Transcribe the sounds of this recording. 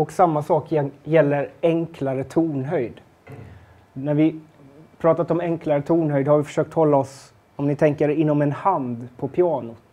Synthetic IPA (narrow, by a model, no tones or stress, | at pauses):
ɔksamːasɑːkjɛjɛlːəɾɛŋkʰlaɾət̪ʰuːɳɦœjd̪ | næɾvɪ | pʰɾɑːt̪at̪ɔmɛŋklaɾət̪ʰuːɳɦœjd̪haɾvɪfœ̥ʂøːk̚t̪hɔlːaɔs | ɔmnɪt̪ʰɛŋkəɾɪnːɔmɛnhand̪pʰɔpʰɪɑːnʊ